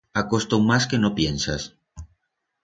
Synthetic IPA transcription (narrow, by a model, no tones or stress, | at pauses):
akost̪owmaskenopjensas